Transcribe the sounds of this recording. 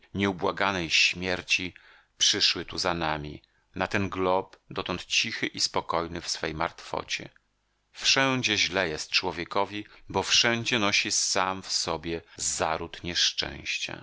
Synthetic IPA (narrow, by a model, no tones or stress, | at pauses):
ɲɛubwaɡanɛjɕmʲjɛɾt͡ɕi | pʂɘʂwɘt̪uzanamʲḭ | nat̪ɛnɡlɔbd̪ɔt̪ɔnt̪t͡ɕixɘʔispɔkɔjnɘfsfɛjma̰ɾt̪fɔ̰t͡ɕɛ̰ | fʂɛ̃d͡ʑɛʑlɛjɛst̪̚t͡ʂwɔvʲjɛkɔvʲibɔfʂɛnd͡ʑɛnɔɕisamfsɔbʲjɛzaɾut̪ɲɛʂt͡ʂɛ̰̃w̃ɕt͡ɕa̰